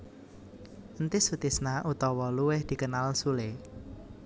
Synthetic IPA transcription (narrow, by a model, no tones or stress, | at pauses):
ənt̪ɪsut̪ɪsnaʔut̪ɔwɔluwɪhd̪̥i̤kənalsulɪ